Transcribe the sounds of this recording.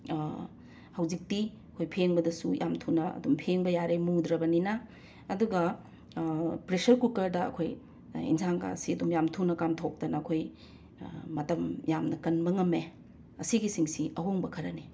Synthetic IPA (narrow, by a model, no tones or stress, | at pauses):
hɐwzik̚ti | ɐkʰojpʰeŋbɐdɐsuja̰mtʰunɐɐ̰dumpʰeŋbɐjaɾejmudɾɐbɐninɐː | duɡɐ | pɾesɐɾkulkɐɾdɐɐ̰kʰoj | ḭnsʰaŋka̰siɐdumjamtʰunɐkamtʰok̚dɐnɐɐkʰojː | ɐtɐmjamnɐkɐnbɐŋɐme | ɐsiɡisiŋsiʔɐɦoŋbɐkʰɐɾɐne